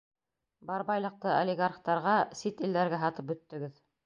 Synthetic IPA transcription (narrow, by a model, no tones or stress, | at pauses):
bɑɾbɑjlˠɤ̆q̚t̪ɤolʲɪɡaɾχt̪ɑɾʁɑsit̪ɘ̆ld̪æɾɡæɦɑt̪ɤp̚bɵ̆t̪ːɵ̆ɡɘð